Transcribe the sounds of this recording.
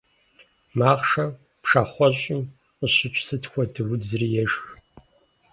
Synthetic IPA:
maːʁʂɐ | pʂaːχʷɔɕʼiː | qʷʊɕɪt͡ʃʷʼsɨtʰxʷɔdʰɨwʊd͡zrijɛʃx

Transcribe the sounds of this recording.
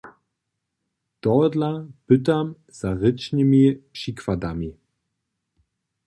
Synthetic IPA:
d̥ɔdlab̥ʏtam | z̥aʁɪt͡ʃnəmiʃikvadami

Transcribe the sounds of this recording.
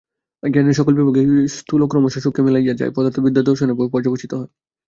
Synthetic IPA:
ɡɛɾmiʃɔkolbiboɡest̪ʰulokɾɔmoʃaʃukʰːemelajad͡ʑa̰epɔd̪aɾt̪ʰːobid̪ʱːad̪oɾʃonepopɔɾd͡ʑabot͡ɕʰit̪oɦɔe

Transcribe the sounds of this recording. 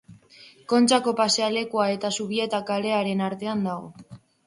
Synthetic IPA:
ko̞nt͡ʃako̞paseale̞kuae̞t̪asuβie̞t̪akale̞aɾe̞naɾt̪e̞and̪aɣo̞̰

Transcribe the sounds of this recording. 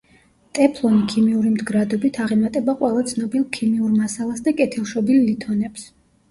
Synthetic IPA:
t̪ʼɛpʰlˠɔnikʰimiuɾimd̪ɡɾad̪ɔbit̪ʰaʁɛmat̪ʼɛbaqʼwɛlˠat̪sʰnɔbilˠkʰimiuɾmasalˠasd̪akʼɛt̪ʰilˠʃɔbilːit̪ʰɔnɛps

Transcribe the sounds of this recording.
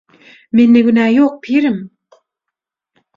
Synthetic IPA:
menːeɡʲynæjoq̚pʰiɾɪm

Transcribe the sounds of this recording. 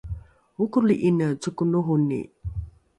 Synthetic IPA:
ukuliʔinət͡sukunuɦunḭ

